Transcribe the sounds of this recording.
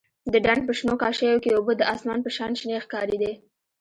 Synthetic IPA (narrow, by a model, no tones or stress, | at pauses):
d̪əɖaɳɖ̚pəʃnokɑʃəjokeobəd̪əʔɑsmɑnpəʃɑnʃnexkɑɾid̪e